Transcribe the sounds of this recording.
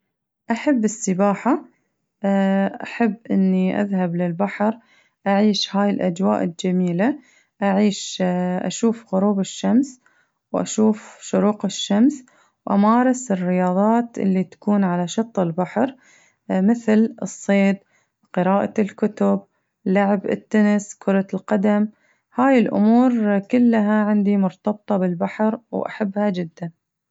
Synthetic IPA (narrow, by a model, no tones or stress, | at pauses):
ʔaħabːɪsːɪbaːħa | ʔaħabːʔɪ̰nːiʔa̰ðhablɪlbaħɾ | ʔaʕiːʃhaːjɪlʔad͡ʒwa̰ːʔɪld͡ʒamiːla | ʔaʕiːʃʔa̰ʃuːfɣʊɾuːbɪʃːams | wʔa̰ʃuːfʃʊɾuːqɪʃːams | wʔa̰maːɾˤɪsɪrːɪjɑːðˤɑːt̪ʔɪ̰lːit̪ḁkuːnʕalaʃɑt̪ˤːɪlbaħɾ | mɪθlɨsˤːeːd̪̚ | qɨɾɑːʔalkʊt̪ʊb | laʕɪbɪ̰t̪ːanɪskʰʊɾˤɑlqad̪am | haːjɪlʔʊ̰muːɾkʊlːɦaʕɪnd̪imʊɾt̪ɑb̚t̪ˤɑbɪlbaħɾwʔa̰ħabːhad͡ʒɪd̪ːan